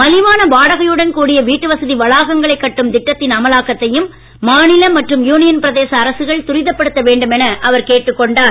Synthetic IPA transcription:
mɐlɪʋaːnɐbaːɽɐɣɐjɯɽɐnkuːɽɪjɐʋiːʈːɯʋɐsɐðiʋɐɭaːɣɐŋɡɐɭɐɪkːɐʈːɯmd̪ɪʈːɐt̪ːɪnɐmɐlaːkɐt̪ːɐjɯmː | aːnɪlɐmɐʈrɯmjuːnɪjɐnpɪɾɐðeːsɐːɾɐsɯɣɐɭt̪ʊɾɪðɐpːɐɽɯt̪ːɐʋeːɳɖɯmɛnɐʔɐʋɐɾkeːʈːɯkːɔɳɖaː

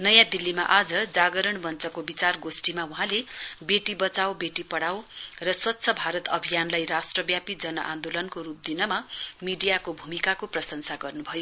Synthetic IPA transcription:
nʌjãd̪ilːimaʔad͡zʌd͡zaɡʌɾʌɳbʌnt͡sʌkobit͡sarɡosʈimawuɦãlebeʈibʌt͡sawbeʈipʌɽawrʌswʌtːsʰʌbʱaɾʌt̪ʌbʱijanlajrasʈrʌbjapid͡zʌnʌʔã̰nd̪olʌnkoɾup̚d̪inʌmamiɖijakobʱumikakoprʌsʌnsaɡʌrnubʱʌjo

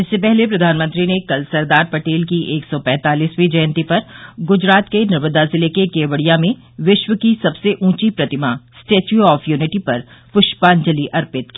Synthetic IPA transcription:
ɪsːepɛɦlepɾɐd̪ʱaːnmə̃nt̪ɾinekɐlsɐɾd̪aːɾpɐʈeːlkiʔeːksɔpɛ̃ːt̪aːliːswid͡ʒɐjə̃nt̪ipɐɾɡʊd͡ʒɾaːt̪kenɐɾməd̪azɪlekekeːʋəɽijãmẽ | ʋɪʃʋəkisɐbseʔũːt͡ʃipɾɐt̪ɪmasʈeːt͡ʃuɔːfʰjuːnɪʈipɐɾpʊʃʈpaːnd͡ʒəliʔɐɾpɪt̪̚kiː

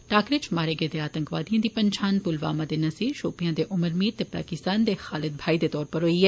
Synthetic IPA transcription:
ʈaːkɾɪt͡ʃmaːɾeɡed̪eaːt̪ə̃ŋkʋaːd̪ijãd̪ipɐɲt͡ʃʰaːnpʊlʋa̰ːmãd̪enɐsiːʃoːpijãːd̪eʔʊməɾmiːɾt̪epa̰ːkɪst̪aːnd̪exaːlɪd̪̚bʱaːid̪et̪ɔːɾpɐɾɦoːiɦɛː

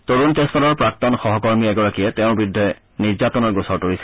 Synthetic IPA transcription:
toɹuntestɔlɔɹpɹak̚tɔnxɔɦɔkɔɹmiɛɡɔɹakijɛtɛʊ̃bɹidʱɔɛ | niɹzatɔnɔɹɡosɔɹtoɹisɛ

